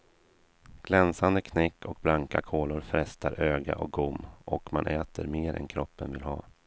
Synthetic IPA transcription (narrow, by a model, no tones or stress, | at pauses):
ɡ̥lɛnsand̪əkʰnɛkːɔk̚blaŋkakʰoːlʊɾfɾɛst̪ʰaɾøːɡa̰ʔɔk̚ɡʊmːʔɔkmanʔɛːt̪ʰəɾmeːɾɛ̰nkʰɾɔpːənvɪlɦɑː